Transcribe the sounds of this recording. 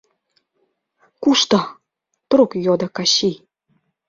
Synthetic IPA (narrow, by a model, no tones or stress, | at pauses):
kuʃt̪ɤ | t̪ɾukjod̪ɤ̆kɑɕi